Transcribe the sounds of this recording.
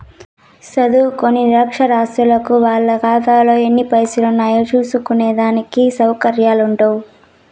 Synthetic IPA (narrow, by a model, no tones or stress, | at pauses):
sɐd̪ukonːiɾɐkʂɐɾaːsʈ̪ɾulɐkuʋaːɭːɐɡaːd̪aːlo̞ːenːipɐjsulunːaːjot͡ʃuːsukuneːd̪aːnikisɐwkɐɾjaːluɳʈowu